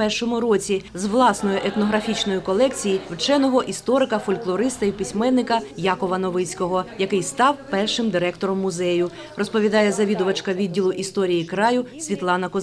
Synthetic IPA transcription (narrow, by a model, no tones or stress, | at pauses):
pɛrʃɔmʊɾɔt͡sʲizʋlˠɑsnɔjʊʔɛt̪nɔɦɾɐfʲit͡ʃnɔjʊkɔlˠɛkt͡sʲijiwt͡ʃɛnɔɦɔʔist̪ɔɾɪkɐfɔlʲklˠɔɾɪst̪ɐjipisʲmɛnːɪkɐjɑkɔʋɐnɔʋɪt͡sʲkɔɦɔjɐkɪjst̪ɑwpɛrʃɪmd̪ɪɾɛkt̪ɔɾɔmːʊzɛjʊ | rɔspɔʋʲid̪ɑjɛzɐʋʲid̪ʊʋɐt͡ʃkɐʋʲid̪̚ʲːilˠʊʔist̪ɔɾʲijikɾɑjʊsʲʋʲit̪lˠɑnɐkɔ